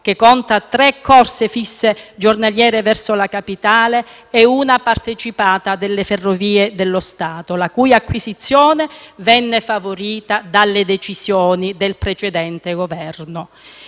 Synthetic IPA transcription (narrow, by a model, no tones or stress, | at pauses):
k̟ekːɔnt̪at̪ɾɛkʰːɔrsefisːed͡ʒornaljɛːɾevɛrsolakapit̪aːleː | uːnapart̪et͡ʃipaːt̪ad̪elːeferːoviːed̪elːost̪aːt̪olakuːjakːwisit̪sːjɔːnevɛnːefavoɾiːt̪ad̪alːed̪et͡ʃisjɔːnid̪elpɾet͡ʃɛd̪ɛnt̪eɡovɛrno